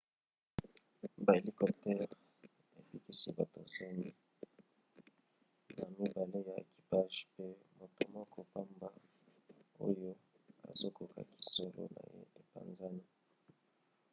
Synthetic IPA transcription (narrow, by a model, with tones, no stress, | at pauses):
ba˨e˨li˦kɔ˨p̚tɛ˦ʁ | e˨pi˦ki˦si˦ba˨to̰˨zo˦mi˦ | na˨mi˦ba˨le˦ja˨ḛ˨ki̥˨pa˦ʒpe˦mo˨to˦mɔ˦kɔ˦pa˦mba˦ | o̰˦jo˦ | a̰˨zo˦ko˨ka̰˨ki̥˨so˨lo̰˦na̰˨jḛ˦e˨pa̰˨nza˦ni˦